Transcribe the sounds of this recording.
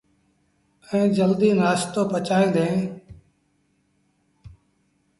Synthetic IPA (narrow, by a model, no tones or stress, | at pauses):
əẽːd͡ʒəld̪iːnaːst̪oːpət͡ʃaːĩːnd̪ẽː